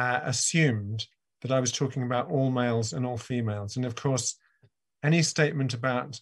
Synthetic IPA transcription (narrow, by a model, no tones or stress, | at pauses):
əsjʉ̃ːm | ðəɾaɪwʌz̥tʰɔˑkɪ̃ŋəbaʊɾɔlˠmeɪlˠzə̃nɔːlˠfimeɪlˠzə̃nʌv̥kʰɔɹs | ɛnisteɪʔ̚mə̃ntɨbaʊt